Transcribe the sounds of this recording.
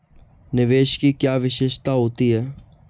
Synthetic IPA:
nɪʋeːʃkikjaːʋɪʃɪːʃt̪aɦoːt̪iɦɛː

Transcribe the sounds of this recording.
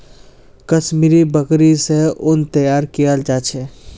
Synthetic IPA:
kɐʃmiːɾibəkɾiseʊnt̪əjaːɾkijald͡ʒaːt͡ʃʰeː

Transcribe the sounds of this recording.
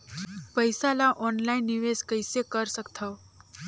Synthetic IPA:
pəjsalaʔɔnlainːiʋeskəjsekəɾsəkt̪ʰəw

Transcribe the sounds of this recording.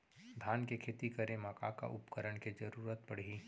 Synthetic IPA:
d̪ʱaːnkekʰeːt̪ikəɾẽmaka̰ka̰ʔʊpkəɾəɽked͡ʒɐɾuːɾət̪̚pɐɽiː

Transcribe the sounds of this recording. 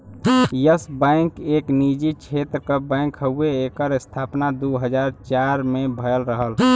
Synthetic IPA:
jəsbɛ̃ɪkeːknid͡ʒit͡ʃʰet̪ɾəkəbɛ̃ŋkhəeːkəɾst̪ʰapnad̪uɦəd͡ʒaɾt͡ʃaɾmẽbʱəjəlɾəɦəl

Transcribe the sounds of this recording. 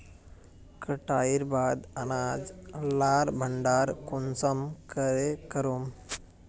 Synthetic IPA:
kəʈaiɾbaːd̪ənad͡zlaɾbʱəɳɖaːɾkunsəmkəɾekəɾum

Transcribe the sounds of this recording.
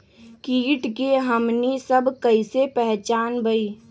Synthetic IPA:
kiːʈkeɦəmnisəbʱkəisepɛɦt͡ʃaːnbəiː

